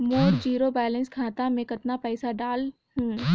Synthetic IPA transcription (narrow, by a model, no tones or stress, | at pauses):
moːɾd͡ʒiːɾobɛːlə̃nskʰaːt̪amẽkɐt̪napɛːsaɖaːl | hũː